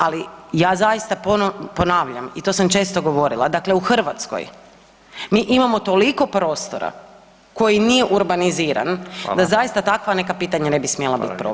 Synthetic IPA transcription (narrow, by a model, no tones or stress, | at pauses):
alijaːzajist̪apopo̞naːʋʎa̰mit̪o̞samt͡ʃe̞ːst̪o̞ɡo̞ʋo̞ɾilˠad̪akle̞uxr̩ʋat̪sko̰j | miʔimamo̞t̪o̞liko̞pɾo̞ːst̪o̰ɾa̰ | ko̞jinije̞ʔuɾbaniziːɾa̰nd̪azajist̪at̪akʋane̞kapiːt̪aɲane̞bismijelˠabḭt̪̚pɾo